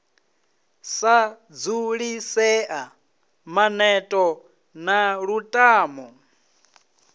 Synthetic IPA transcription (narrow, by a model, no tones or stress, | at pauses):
sa | d͡zuɺisɛʔa | manɛtʼɔ | naɺutʼaːmɔ